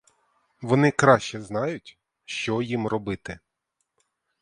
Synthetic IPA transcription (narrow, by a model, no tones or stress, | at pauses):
ʋɔnɪkɾɑʃt͡ʃɛznɑjʊtʲ | ʃt͡ʃɔjimrɔbɪt̪ɪ